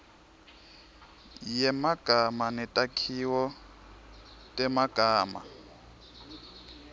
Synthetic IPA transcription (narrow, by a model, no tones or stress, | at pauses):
jɛmaɡ̥ʱamanɛtʼakʰiwɔ | tʼɛmaɡ̥ʱaːma̰